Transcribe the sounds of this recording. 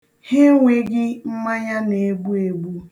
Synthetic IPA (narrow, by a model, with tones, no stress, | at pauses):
he˦ŋʷe˦ɡɪ˦m̩˦ma˦ɲa˦ne˨e˨ɡ͡bu˦e˨ɡ͡bu˦